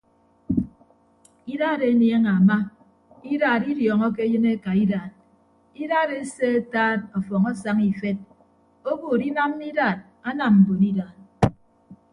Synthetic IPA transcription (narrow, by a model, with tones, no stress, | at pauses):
i˦ɾa˦˨ɾe˨˦nje˦ŋa˨ma˦ | i˦ɾaː˨ɾi˦djɔː˨ŋɔ˦ke˦jɨ˦ne˦ka˨i˦daː˨t̚ | i˦ɾaː˦˨ɾe˦se˦e˦taː˦tɔ˨fɔ˨ŋɔ˦sa˦ŋi˨fe˦t̚ | o˦bo˨ɾi˦na˦m˦i˦daː˦˨t̚ | a˦na˨mm̩˨bo˨ni˦daː˨t̚